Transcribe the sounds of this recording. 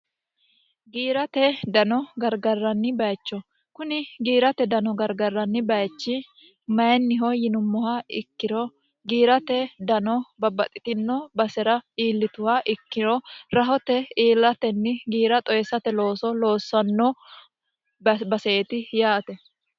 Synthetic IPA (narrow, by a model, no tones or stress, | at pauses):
ɡiːɾɐt̪ɛd̪ɐnɔɡɐɾɡɐrːɐnːɪbɐjt͡ʃːɔ | kʊnɪɡiːɾɐt̪ɛd̪ɐnɔɡɐɾɡɐrːɐnːɪbɐjt͡ʃːɪ | mɐjɛnːɪɦɔjɪnʊmːɔhaːɪkːɪɾɔ | ɡiːɾɐt̪ɛd̪ɐnɔbɐbɐt̪ʼɪt̪ɪnːobɐsɛɾɐiːlːɪt̪ʊhaʔɪkːɪɾɔɾɐɦɔt̪ɛiːlːɐt̪ɛnːɪɡiːɾɐt̪ʼɔjɛsɐt̪ɛlo̞ːsɔlo̞ːsːɐnːɔ | bɐsɛɛt̪ɪjaːt̪ɛ